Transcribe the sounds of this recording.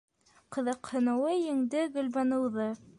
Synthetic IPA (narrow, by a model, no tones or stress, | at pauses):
qɤ̆ðɤqhɤ̆nɤ̆wɤjɘ̆ŋd̪ɘɡɵ̆lβænɤ̆wðɤ